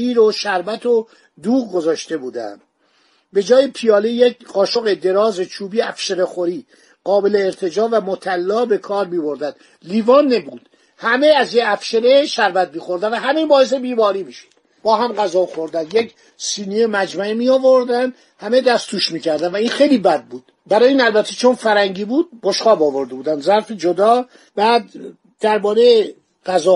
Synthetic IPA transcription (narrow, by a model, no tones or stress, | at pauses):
iːɾoʃæɾbæt̪ʰo | d̪uːɣɡozɒːʃt̪e̞buːd̪æ̰nd̪ | be̞d͡ʒɒːjepʰijɒːlejekɢɒːʃoɣed̪e̞ɾɒːzet͡ʃʰuːbiːæfʃeɾexoɾiː | ɢɒːbe̞leːɾt̪ʰe̞d͡ʒɒːvæmot̪ʰælːɒːbe̞kʰɒːɾmiːbo̞ɾd̪ænd̪ | liːvɒːnːebuːd̪̥ | hæme̞æzjeæfʃeɾeʃæɾbæt̪̚miːxoɾd̪ænvæɦæmebɒːes̬ebiːmɒːɾiːmiʃo̥d̪̥ | b̥ɒːɦæmɢæzɒːxoɾd̪ænd̪jek | siːniemæd͡ʒmæemiɒːvoɾd̪ænd̪ | hæmed̪æst̪ʰuːʃmiːcʰæɾd̪ænvæiːnxejliːbæd̪̚buːd̪̥ | bæɾɒːjiːnælbæt̪ʰːet͡ʃʰonfæɾæŋɟiːbuːd̪̚boʃxɒːbɒːvoɾd̪ebuːd̪ænd̪zæɾfed͡ʒod̪ɒː | b̥æːd̪ː | æɾbɒːɾeje | ɢæzɒː